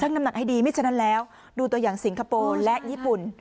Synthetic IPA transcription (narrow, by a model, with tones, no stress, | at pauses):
t̪ʰna˧mna˨˩k̚ha˥˩jdiː˧ma˥˩t͡ɕʰa˧˥na˦˥nlɛː˦˥w | duː˧t̪u˧jaː˨˩ŋsi˨˩˦ŋkʰaː˧poː˧lɛ˦˥ʔjiː˥˩pu˨˩n